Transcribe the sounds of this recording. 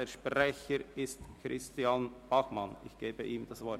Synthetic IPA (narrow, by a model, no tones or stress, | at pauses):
əʃprɛçəɾɪstkʰrɪstjanb̥ɑxmɑnɪ̰çɡ̥eːbəʔiːmd̥ɑsvɔ